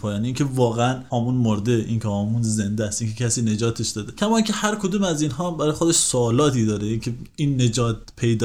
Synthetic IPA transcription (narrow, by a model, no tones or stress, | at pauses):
pʰɒːjɒːniiːcʲʰe̞vɒːɣeænɒːmunmoɾd̪eʔḭːncʰeɒːmunze̞nd̪eæst̪ʔiːnkcʰecʲʰæsiːne̞d͡ʒɒːt̪ʰeʃd̪ɒːd̪ecʰæmɒːincʰehæɾkʰod̪uːmæzinɦɒːbæɾɒːjexod̪eʃsoːlɒːt̪ʰiːd̪ɒːɾeiːŋcʰeinːe̞d͡ʒɒːt̪̚pʰe̞jd̪